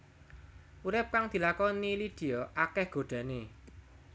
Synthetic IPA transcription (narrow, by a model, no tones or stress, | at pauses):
uɾɪp̚kaŋd̪̥i̤lakɔnilid̪̥e̤ɔʔakɛhɡ̥o̤ɖ̪̥ä̤ne